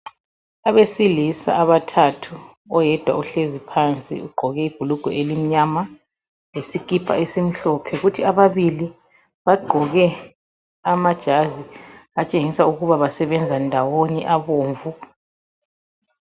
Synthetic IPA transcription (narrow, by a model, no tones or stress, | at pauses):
aβesilisa̰aβatʰatʰu | ɔjɛd̥ʱwa̰uɬezipʰant͡sʼḭuɡ͡ǃʱɔɣɛib̥ʱuluɡ̥ʱɔ̰elim̩ɲama | lesikʼipʰʼa̰esim̩ɬɔpʰɛɣutʰiaβaβili | βaɡ͡ǃʱɔɣɛ | amad̥ʒ̥ʱaziat͡ʃʼeŋisauɣuβaβasɛβɛnd͡zʱandʱawonɛʔaβoːɱvu